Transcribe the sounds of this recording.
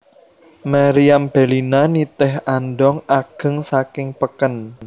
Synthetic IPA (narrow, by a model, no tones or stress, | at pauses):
maɾiamb̥e̤linanit̪ɪɦanɖɔŋaɡ̥ə̤ŋsakɪŋpəkən